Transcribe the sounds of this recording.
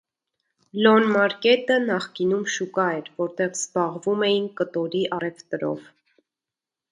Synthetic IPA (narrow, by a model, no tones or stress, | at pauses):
lɔnmɑɾkɛt̪ənɑχkinumʃukɑɛɾvɔɾt̪ɛʁzbɑʁvumɛjinkət̪ɔɾiʔɑrɛvt̪əɾɔ̰v